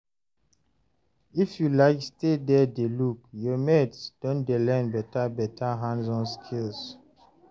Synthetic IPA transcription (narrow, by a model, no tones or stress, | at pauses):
ifjulaɪkstedɛdelukjɔmɛdsd̥õndelɛ̃nbɛtabɛtʰaɦãnsɔ̃nskʰils